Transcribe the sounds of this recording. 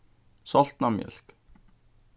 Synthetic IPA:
sɔlt̪nɑmjœ̰l̥k

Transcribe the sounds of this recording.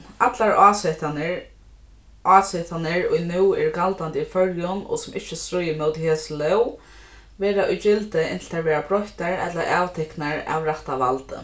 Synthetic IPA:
at̪laɹast̪ | ʔaːsɛt̪ʰanəɹʊ̰jnuːɛɹkalt̪ant̪ifœɹjʊnɔ̰sʊmʔɪht͡ʃːɪst̪ɾʊjːəmɛwt̪ɪheːslœw | ʋɛːɾaʔʊjt͡ʃɪlt̪ɪɪnt̪l̩t̪ʰaːʋɛːɾabɾɔht̪aɹɛ̰t̪laʔaːwt̪ʰɪhknaɹa̰ʋɾaht̪aʋalt̪ə̰

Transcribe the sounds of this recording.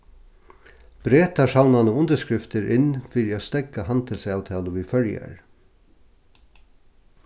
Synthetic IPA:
b̥ɾeːt̪aʂawnanəʊnt̪əʂkɹɪft̪ɪɾʔɪnfiːɾɪast̪ɛkːaɦant̪ʰɪlsaːwt̪ʰɛːlʊʋifœɹja̰ɹ

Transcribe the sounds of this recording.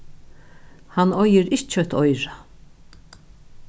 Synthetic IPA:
hanɔjɪɾɪʃt̪t͡ʃœt̪ʰɔjɾa

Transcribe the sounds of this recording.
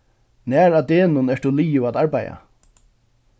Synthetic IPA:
nɛːɾat̪eːnʊnɛʂt̪uliːjʊat̪aɹpaja̰

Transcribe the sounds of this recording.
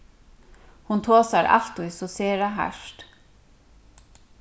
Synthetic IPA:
hunt̪ʰoːsaɾʔa̰l̥t̪ujsɔseːɾaɦa̰ʂt̪

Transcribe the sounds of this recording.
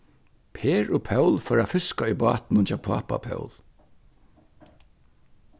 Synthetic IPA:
pʰeːɹʊpʰœwlfœːɾafɪskaɔjbɑːt̪nʊnt͡ʃʰaːwpʰa̰ːpa̰pʰœ̰wl

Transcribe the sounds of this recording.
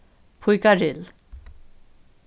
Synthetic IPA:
pʰujkaɾel

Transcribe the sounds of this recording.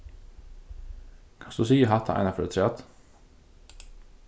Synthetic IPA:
kʰɑnsd̪ʉːsiːəɦɑt̪ʰa̰ʔɑ̰ɪnafœɾɛt̪ʰɾɛt̪

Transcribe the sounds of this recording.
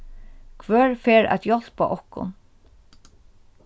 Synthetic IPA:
kʰʋœːɹfɛːɹæ̰t̪jɔl̥pa̰ʔɔhkʊ̰n

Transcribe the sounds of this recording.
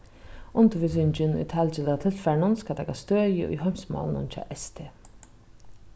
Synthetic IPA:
ʊnt̪əvɪs̬ʏɲt͡ɕɪnʊ̰jt̪ʰɛlt͡ʃɪlːat̪ʰɪlfɛɳʊnskat̪ʰɛkast̪øːjɪ̰ʔṵjɦœmsmɔ̰ːlnʊ̰nt͡ʃʰɑ̰ːʔɛst̪ʰeː

